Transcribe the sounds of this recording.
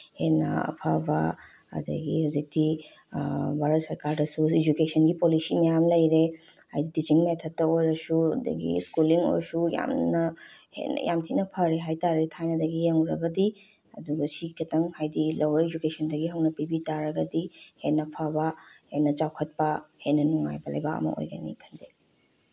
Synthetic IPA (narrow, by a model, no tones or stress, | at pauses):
henɐ̰ɐ̰pʰabɐ | ɐ̰dɐ̰ɡḭhazik̚ti | bʱaɾɐt̚sɐɾkaɾdɐsuid͡ʒukesɐnɡipolisimɐjamlɐjɾe | hajdidit͡ʃiŋmetʰɐtːɐojɾɐsuɐdɐ̰ɡḭskuliŋo̰jɾsuja̰mnɐhḛn̰ja̰mtʰitnɐpʰɐɾeɦajtaɾetʰajnɐdɐɡijeŋuɾɐɡɐdi | ɐ̰duɡɐsikʰɐtʰɐŋhajdilʔɐwɾɐid͡ʒukesɐndɐɡiɦɐwnɐpibitaɾɐɡɐdihetnɐpʰabɐhetnːɐt͡ʃawkʰɐt̚pɐhetnɐnuŋa̰jbɐlɐ̰jbaɐ̰mɐ̰ʔo̰jɡɐ̰nḭkʰɐnze